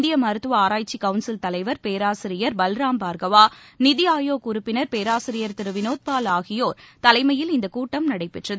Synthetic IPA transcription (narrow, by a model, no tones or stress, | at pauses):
nd̪ɪjɐmɐɾɯt̪ːɯʋɐaːɾaːjt͡ʃːikɐʊnsɪlt̪ɐlɐɪʋɐɾpeːɾaːsɪɾɪjɐɾbɐlɾaːmpaːɾɡɐʋaːnɪðɪjaːjoːkʊɾʊpːɪnɐɾpeːɾaːsɪɾɪjɐɾt̪ɪɾɯʋɪnoːt̪̚paːlaːɣɪjoːɾt̪ɐlɐɪmɐjɪlɪnd̪ɐkuːʈːɐmnɐɽɐɪpːɛʈrɐðɯ